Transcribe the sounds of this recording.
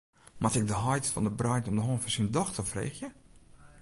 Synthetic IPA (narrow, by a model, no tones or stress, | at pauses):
mʔatɪk̚dəɦɔjtfɔ̰ndəbrœjtɔmdəɦoːnfəsindɔxtəfrḛːxjə